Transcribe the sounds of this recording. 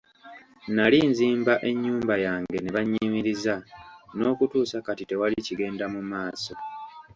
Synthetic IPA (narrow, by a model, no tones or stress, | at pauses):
nalinziːmbaʔe̞ɲːuːmbajaːŋɡe̞ne̞βaɲːimiɾizano̞ːkutuːsakatite̞waliciɡe̞ːndamumaːso̞